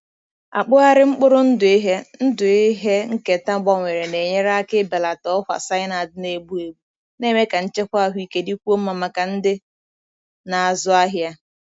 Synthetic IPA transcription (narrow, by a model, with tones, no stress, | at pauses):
a̰˨k͡pʊ˦a˦ɾɪ˦ŋ͡m̩˦k͡pʊ˦ɾʊ˦n̩˦dʊ˨i˦ɦe˦n̩˦dʊ˨i˦ɦe˦ŋ̩˦ke˨ta˦ɡ͡bɔ˦ŋʷe˨ɾe˨ne˨ɲe˦ɾa˦kɪ˦be˨la˨tɔ˦fʷa̰˨sa˦ɪ˦na˨dʊ˦ne˨ɡ͡bu˦e˨ɡ͡bu˦ | ne˦me˦ka˨n̩˦t͡ʃe˦kʷa˦ɦʷi˦ke˦di˦kʷu˦o˦m̩˦ma˨ma˨ka˨n̩˦dɪ˦ | na˨a˨zʊ˦a˦ɦja˦